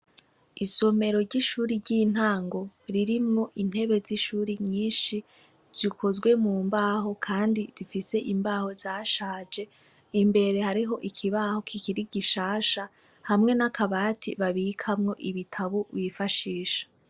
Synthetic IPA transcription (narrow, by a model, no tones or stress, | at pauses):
iso̞me̞ɾo̞ɾɟiʃuːɾiɾɟiːn̥aːŋɡo̞ɾiɾimŋoʔin̥he̞βe̞ziʃuːɾiɲiːnʃi | z̥ikʰo̞zɡwe̞muːmbaːɦo̞kʰaːndizifise̞ʔimbaːho̞zaːʃaːd͡ʒe̞ | imbe̞ɾe̞haɾiɦo̞ʔikʰiβaːho̞kʰikiɾiɡiʃaːʃa | hamŋe̞nakʰaβaːtʰḭβaβikʰamŋo̞ʔiβitʰaβoβiːfaʃiːʃḁ